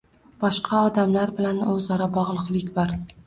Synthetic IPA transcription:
b̥ɒʃqʰɑɒd̪amlaɾbɪlanɵzɒɾabɒʁlˠɨqlˠɪkʲbɒɾ

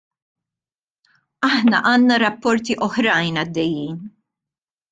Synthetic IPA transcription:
ɐħnɐʔɐːnnɐɾɐpːɔɾt̪iʔɔħɾɐjnɐd̪ːɛjːiːn

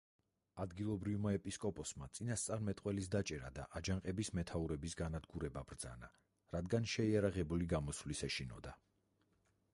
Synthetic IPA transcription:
ad̪ɡilˠɔbɾivmaɛpʼiskʼɔpʼɔsmat̪sʼinast̪sʼaɾmɛt̪ʼqʼwɛlisd̪at͡ʃʼɛɾa̰d̪a̰ʔad͡ʒaŋqʼɛbismɛt̪ʰauɾɛbisɡanad̪ɡuɾɛbabɾd̪za̰na | ɾad̪ɡanʃɛiaɾaʁɛbuliɡamɔsvlisɛʃinɔd̪a

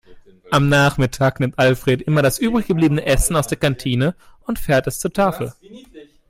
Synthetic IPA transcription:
ʔamnaːχmɪtʰaːknɪmtʔalfʁ̥eːtʔɪmɐɾasʔyːbʁɪçɡ̥əbliːbənəʔɛsn̩aʊsd̥eːɐkantʰiːnəʊntfɛːɐtɛst͡suːɐtʰaːfl̩

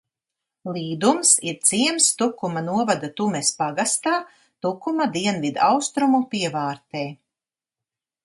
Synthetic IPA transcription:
lˠiːd̪umsiɾt̪siɛmst̪ukumanuɔvad̪at̪umespaɡast̪aː | t̪ukumad̪iɛnvid̪awst̪ɾumupiɛvaːɾt̪ɛː

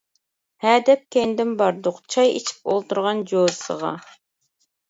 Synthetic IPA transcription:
hɛːd̪ɛp̚kʲend̪ɪmbɑɾd̪ʊqt͡ʃʰɑjḭt͡ʃʰi̥p̚olˠt̪uɾʁɑnd͡ʒoɾsə̰ʁɑ̰

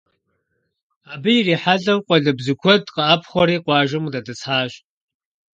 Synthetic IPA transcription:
aːbɨjiriːħaɮɐwqʷɔɮɨbzɨkʷʰɔdqɐapʰχʷɔɾiːqʷɑːʒɨmudɐdɨt͡sħaːʒ

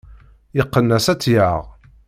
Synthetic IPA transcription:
jəqːənːæsæt͡sːjaʁ

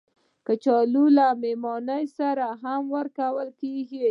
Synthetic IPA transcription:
kət͡ʃɑlulamemɔnəjsaɾaɦamwəɾkawəlkeɡi

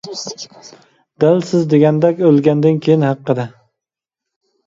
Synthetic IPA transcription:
d̪̥ælsɪzd̪eɡʲɛnd̪ɛkʲølˠɡʲænd̪ɪnkʲʰejɪnhɑqːɨd̪a

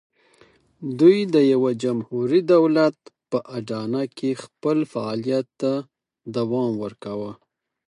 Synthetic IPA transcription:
d̪ujd̪əjawad͡ʒamhuɾid̪awlat̪̚pəʔaɖɑnakʰexpəlfaɑlijat̪ːa | d̪awɑmwəɾkawə

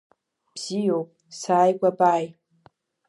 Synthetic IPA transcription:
b̥z̥ijopʼ | saːjkʷʼapʼaːj

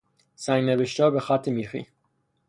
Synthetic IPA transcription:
sæŋɡneveʃt̪ɒːbexæt̪ʰːemiːxḭ

